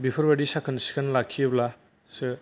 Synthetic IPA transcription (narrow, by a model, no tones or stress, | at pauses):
bipʰɔɾbadisakʰɯnsi̥kʰanlakʰːiebla | sɯ